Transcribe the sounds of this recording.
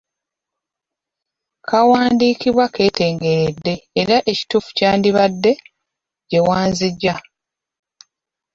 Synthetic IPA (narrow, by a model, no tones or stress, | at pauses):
kʰawaːndiːkiβwake̞ːte̞ːŋɡe̞ɾedːe̞ːɾaʔe̞ci̥tuːfu̥caːndiβadːe̞ | ɟe̞waːnziɟːa